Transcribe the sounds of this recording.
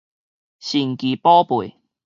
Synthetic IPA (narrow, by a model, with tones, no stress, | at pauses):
ɕi˨˩ŋki˨pɔː˦˥pu˨˩j